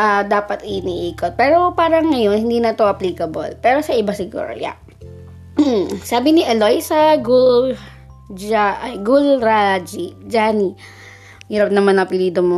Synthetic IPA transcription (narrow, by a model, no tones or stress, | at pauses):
ʔɐd̪aːpɐt̪ɪniʔiːkot̪̚pɛːɾo̞paːɾɐŋːɐjo̞nhɪnd̪iːnɐt̪oʔɐpliːkɐbo̰lpɛːɾo̞sɐʔɪbasɪɡṵɾo̰ja̰ʔ | saːbɪnɪʔɛlojsɐɡul | aʔɡulɹad͡ʒid͡ʒaːni | hiɾɐp̚nɐmaɐnɐpɪliːd̪omo